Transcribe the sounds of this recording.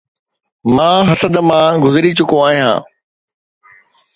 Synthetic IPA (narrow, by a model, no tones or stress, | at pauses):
mãːɦɐsəd̪mãːɡʊzɪɾit͡ɕʊkõaːɦijã̰ː